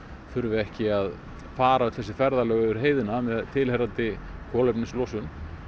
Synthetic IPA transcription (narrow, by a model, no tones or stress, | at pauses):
fʏɾvɪɛhcɪað | faːɾaʏt̪θɛsɪfɛɾðalœːɣvɪɾ̥ɦeːjðɪnamɛðt̪ʰɪlheɾant̪ɪkʰɔːlɛpnɪnslɔːsʏn